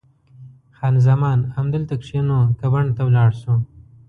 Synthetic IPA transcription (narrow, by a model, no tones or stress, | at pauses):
xɑːnzamɑːnamd̪əlt̪akʂenokabaɳt̪awlɑɽʃu